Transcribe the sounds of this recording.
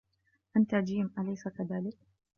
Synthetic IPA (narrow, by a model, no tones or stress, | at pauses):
ʔant̪ad͡ʒiːmʔalajsakaðaːlɪk̚